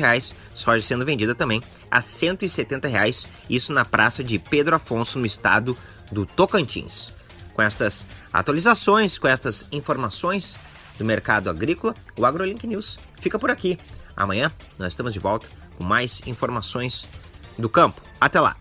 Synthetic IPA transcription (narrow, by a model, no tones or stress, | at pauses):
heajsː | ɔʒɪsẽnd̪ʊvẽnd͡ʒid̪ɐt̪ɐ̃mbẽj̃ | ɐ̰sẽnt̪ʊɪset̪ẽnt̪ɐɦeajs | isʊnɐpɾʔasɐd͡ʒɪped̪ɾʊafõsʊnʊɪst̪a̰d̪ʊ | d̪ʊt̪okɐ̃nt͡ʃḭ̃s | kõɛst̪ɐsa̰t̪walizasõj̃skõɛst̪ɐzĩfoɾmasõj̃s | d̪ʊmeɾkad̪ʊaɡɾikʊlɐ | ʊaɡɾolĩkɪniws | fikɐpʊɾakia̰mɐ̃ɲ̃ɐ̃ | nɔzɪst̪ɐ̃mʊzd͡ʒɪvɔwt̪ɐ̥ | kõmajzĩfoɾmasõj̃sd̪ʊkɐ̃mpʊ̥ | at̪ɛla̰